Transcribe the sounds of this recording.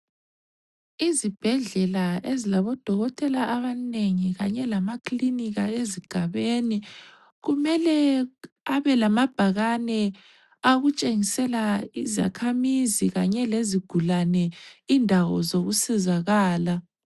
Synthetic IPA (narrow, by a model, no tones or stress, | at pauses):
izib̥ʱɛɮɛlaezilaβɔd̥ʱɔɣɔtʰʼɛlaʔaβaneŋiɣaɲɛlamakliniɣaeziɡ̥ʱaβeni | ɣumɛlɛ | aβɛlamab̥ʱaɣanɛ | aɣut͡ʃʼeŋisɛlaiza̰kʰamiziɣaɲɛleziɡ̥ʱulanɛindʱawɔ̰zoɣusɛzaɣaːla